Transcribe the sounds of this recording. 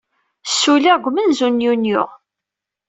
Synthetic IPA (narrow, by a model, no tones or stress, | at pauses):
sːulaɡʷmənzunjunjʊ̰ʁ